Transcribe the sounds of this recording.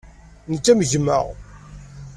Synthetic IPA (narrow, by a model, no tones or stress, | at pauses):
nət͡sːæmʝəmːə̰ʁ